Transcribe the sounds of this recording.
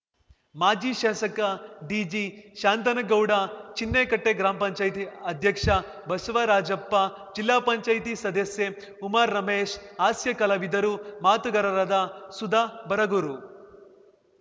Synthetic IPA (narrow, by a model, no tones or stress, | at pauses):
maːd͡ʒiːʃaːsɐkɐɖiːd͡ʒiːʃaːnt̪ɐnɐɡɐwɽat͡ʃinːeːkɐʈːeːɡɾaːmɐpɐɲt͡ʃaːjt̪iɐd̪ʱjɐkʂɐ | bɐsɐʋɐɾaːd͡ʒɐpːa | d͡ʒilːaːpɐɲt͡ʃɐːjt̪̬isɐd̪ɐsje | umɐɾːɐmeːʃaːsjɐkɐlɐʋid̪ɐɾumaːt̪uɡɐɾɐɾɐd̪asud̪aːbɐɾɐɡuɾu